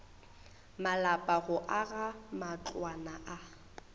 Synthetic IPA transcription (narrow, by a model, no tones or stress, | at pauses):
malapʼaɣʊʔaɣamat͡ɬʼwanaʔa